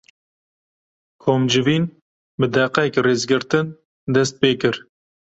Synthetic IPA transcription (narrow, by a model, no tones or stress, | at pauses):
kʰoːmd͡ʒɨviːn | bɨd̪ɛqɛkreːzɡɨɾt̪ɨn | d̪ɛst̪̚peːkɨɾ